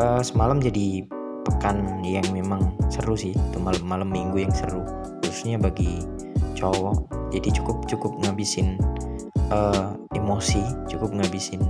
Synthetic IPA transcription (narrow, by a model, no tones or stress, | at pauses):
ʔəsəmalamd͡ʒadi | pəkanjaŋmemaŋsəɾusɪhit̪umalamːalamːiŋɡujaŋsəɾu | husu̥sɲabaɡi | t͡ʃowɔʔd͡ʒadit͡ʃu̥kʊp̚t͡ʃukʊp̚ŋabisɪn | ʔəemosit͡ʃukʊp̚ŋabisɪn